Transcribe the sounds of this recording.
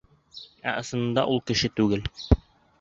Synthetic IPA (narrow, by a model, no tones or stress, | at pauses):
æ̰ʔɤ̆sɤ̆nɤ̆nd̪ɑ̰ʔulˠkɘ̆ʃɘt̪ʉɡɘl